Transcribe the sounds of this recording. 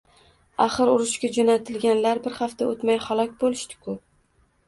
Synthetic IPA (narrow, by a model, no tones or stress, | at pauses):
aχɨɾʊɾɪʃkʲad͡ʒonat̪ʰɪlɡʲanlaɾbɪɾhaft̪ʰaot̪majhalˠɒkʲbolɪʃt̪ɪ̥kʰʊp̚